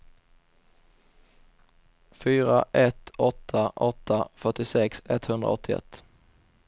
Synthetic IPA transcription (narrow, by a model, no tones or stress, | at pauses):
fyːɾaʔɛt̪ɔt̪ʰːaʔɔt̪ʰːafœʈɪsɛksɛt̪hɵnd̪ɾa̰ɔt̪ʰːɪɛ̰t̪ː